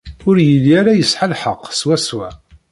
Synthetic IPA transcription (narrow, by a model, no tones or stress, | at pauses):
ʊɾjəlːiaɾajəsħalħəqːswæswæ